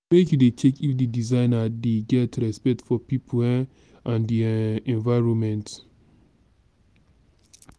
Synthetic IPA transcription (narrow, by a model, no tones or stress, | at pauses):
wekdetʰekifdidizãɪnadeɡɛtɹɛspɛk̚tfɔpipʰo | ʔãndiɛ̃nvaɪɹɔ̃nmɛ̃nt